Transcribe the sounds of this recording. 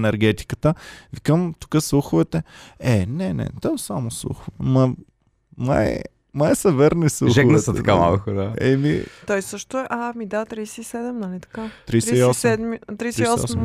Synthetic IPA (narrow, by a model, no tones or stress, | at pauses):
nɛɾɡɛt̪i̥kət̪əvikəmt̪u̥kəslˠuxʊvɛt̪ɛɛnɛnɛ̰t̪ɔsamoslˠṵxʊvɛmɐ | ma̰ɛ̰ | majɛsɐvɛɾnisluʒɛknəsɛt̪ɐkama̰lˠkʊkʊd̪aɛ̰mḭt̪ɔjsɤʃt̪oɛʔamid̪at̪ɾijsɛisɛd̪ɛmnɐlʲit̪ɐ̥kat̪ɾiɾieiɔsɛd̪mit̪ɾisiɔm